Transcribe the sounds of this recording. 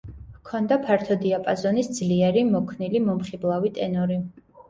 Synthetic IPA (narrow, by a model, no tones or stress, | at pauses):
kʰɔnd̪apʰaɾt̪ʰɔd̪iapʼazɔnisd̪zliɛɾimɔkʰnilimɔmχiblˠavit̪ʼɛnɔɾi